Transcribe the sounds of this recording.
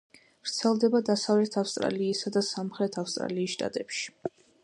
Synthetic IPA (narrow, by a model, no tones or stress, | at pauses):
vɾt̪sʰɛlˠd̪ɛbad̪asavlɛt̪ʰafst̪ʼɾa̰liːsad̪asamχɾɛt̪ʰafst̪ʼɾa̰liːsʃt̪ʼa̰t̪ʼɛpʃi̥